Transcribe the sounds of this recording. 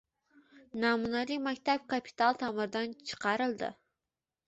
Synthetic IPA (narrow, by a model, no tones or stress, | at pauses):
nɑmunɑlˠimɛkʲt̪ʰɛp̚kʰɑpʰi̥t̪ʰɑlˠt̪ʰɑmɨɾd̪ɑnt͡ʃʰə̥qʰɑɾɨlˠd̪ɨ̰